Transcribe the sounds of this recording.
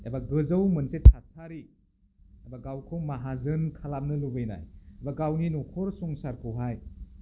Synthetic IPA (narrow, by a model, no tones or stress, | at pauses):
ḛbaɡɯzəwmɯnsetʰasaɾi | ebaɡawkʰowmaɦazɯnkʰalap̚nɯlubɯjna̰jebaɡawninɔkʰɔɾsɔŋsaɾkʰɯwɦaj